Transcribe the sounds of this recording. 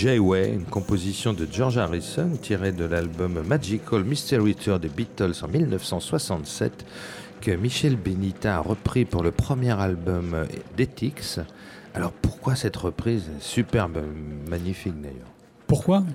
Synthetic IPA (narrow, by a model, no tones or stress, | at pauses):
ʒɛjwɛynkɔ̃pozisjɔ̃d̪əʒɔʁʒaʁisɔnt̪ʰiʁed̪əlalbɔmːad͡ʒikʰolmist̪ɛʁːit̪ʰœʁd̪ebit̪ɔlsɑ̰̃milnəfsɑ̃swasɑ̃t̪sɛ̰t̪ | kəmiʃɛlbenit̪aːʁəpχipuʁləpχəmjɛʁalbɔmd̪et̪ʰiks | alɔʁpuʁkwasɛt̪ʁəpχizɛsypɛʁbmaɲifik̚d̪a̰jœ̰ːʁ | puʁkwa